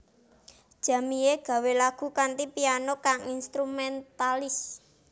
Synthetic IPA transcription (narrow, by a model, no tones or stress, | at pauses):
d̥ʒ̥ä̤mijeɡ̥ä̤welaɡ̥ṳkant̪ipianokaŋinst̪ɾumɛnt̪alɪs